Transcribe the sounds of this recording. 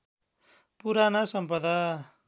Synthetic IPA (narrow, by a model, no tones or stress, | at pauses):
puɾanasʌmpʌd̪a